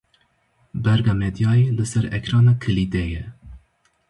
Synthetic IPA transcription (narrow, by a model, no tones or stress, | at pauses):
bɛɾɡɑːmɛd̪jɑːjelɨsɛɾɛ̰kʰɾɑːnɑːkʰɨlid̪ɛjɛ